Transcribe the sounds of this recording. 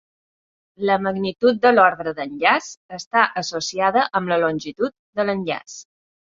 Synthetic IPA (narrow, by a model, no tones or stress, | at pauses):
ləməɣnit̪ut̪̚d̪əlɔɾɣɾəðənʎasəst̪aʔəsosiaðəʔəmləlonʲʒit̪ut̪̚d̪ələnʎa̰s